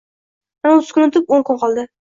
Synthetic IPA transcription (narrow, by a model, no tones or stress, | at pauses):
manaot̪ʰɪ̥z̥kʰʲʊnɪt̪ʰɪpoŋkʰʊnqʰɒlˠd̪ɪ